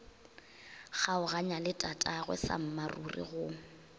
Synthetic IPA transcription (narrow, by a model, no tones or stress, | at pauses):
ɣaʊɣaɲalɪtʼatʼaɣwɛ̰sa̰m̩marṵrḭɣʊ